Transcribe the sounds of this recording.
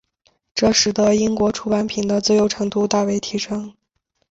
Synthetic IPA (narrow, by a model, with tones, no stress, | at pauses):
ʈ͡ʂɤ˥˩ʂɻ̩˨˩t̪ɤ˧˥i˥ŋkwɔ˧˥ʈ͡ʂʰu˧˥pa˧˥npʰi˨˩ŋd̪ə˦t͡sɔ˥˩jo˧˩ʊʈ͡ʂʰɤ˧˥ŋt̪u˥t̪a˥˩we˧˥ɪt̪ʰi˧˥ʂɤ˥ŋ